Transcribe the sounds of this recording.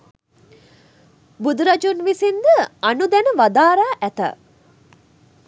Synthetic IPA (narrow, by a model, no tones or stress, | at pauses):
bud̪uɾɐd͡ʒunʋisind̪əanud̪ɛnəʋad̪aːɾaːʔæt̪ɐ̰